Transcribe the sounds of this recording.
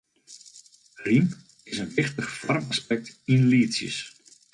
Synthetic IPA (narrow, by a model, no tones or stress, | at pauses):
rim | ɪsənʋɪxtəχfɔ̰rmaspɛk̚tinliːsjə̰s